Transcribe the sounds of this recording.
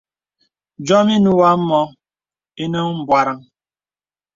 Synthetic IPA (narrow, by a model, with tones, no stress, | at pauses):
d͡ʒɔ˦mi˦nu˦wa˦m̩˦mɔ˦ | e˦nə˦m̩˨bwa˦ɾa˦ŋ